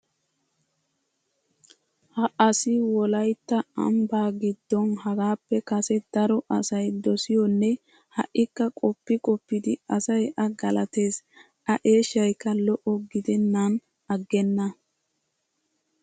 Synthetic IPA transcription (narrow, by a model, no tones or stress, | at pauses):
hɐʔɐsɪwɔlɐjt̪ːɐɐ̰mbaːɡɪd̪ːɔnɦɐɡaːpːɛkɐsɛd̪̥ɐɾɔʔɐsɐjd̪ɔsɪjɔnːɛ | hɐ̰ʔːɪkːɐkʼɔpːɪkʼɔpːɪd̪ɪɐsɐjʔɐɡɐlɐt̪e̞ːs | ɐʔe̞ːʃːɐjkːɐlɔʔɔɡɪd̪ɛnːan | ɐɡːɛnːɐ